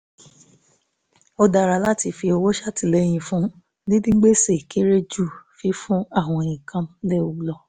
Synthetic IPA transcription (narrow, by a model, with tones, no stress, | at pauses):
o˧da˧˨ɾa˧˨la˦ti˧fi˧o˧wo˦ʃa˦ti˨le˦j̃ĩ˧˨fũ˦ | nĩ˦dĩ˦ŋ͡m̩˦ɡ͡be˦se˦˨ki˦ɾe˦d͡ʒu˦˨fi˧fũ˦a˦˨w̃ɔ̃˧e˨jĩ˨kʰã˧m˦le˦˨u˨˧˦lɔ˧